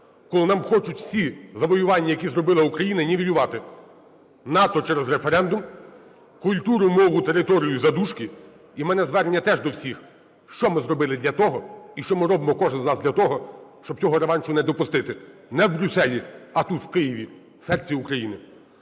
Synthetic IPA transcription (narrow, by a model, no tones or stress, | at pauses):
kɔlˠɪnɑmxɔt͡ʃʊtʲwsʲizɐʋɔjʊʋɑnʲːɐjɐkʲizrɔbɪlˠɐukɾɐjinɐnʲiʋʲijʊʋɑt̪ɪ | nɑt̪ɔt͡ʃɛɾezɾefeɾɛnd̪ʊm | kʊlʲt̪uɾʊmɔʋʊt̪eɾɪt̪ɔɾʲijʊzɐd̪uʃkɪ | imɛnɛzʋɛɾnʲːɐt̪ɛʒd̪ɔwsʲix | ʃt͡ʃɔmɪzrɔbɪlˠɪd̪lʲɐt̪ɔɦɔiʃt͡ʃɔmɪɾɔbɪmɔkɔʒnɪznɑzd̪ʲlʲɐt̪ɔɦɔʃt͡ʃɔb̚t͡sʲɔɦɔɾeʋɑnʲt͡ʃʊnɛd̪ɔpʊst̪ɪt̪ɪnɛwbɾʲusɛlʲiɐt̪ut̪wkɪjiʋʲi | sɛrt͡sʲiʊkɾɐjinɪ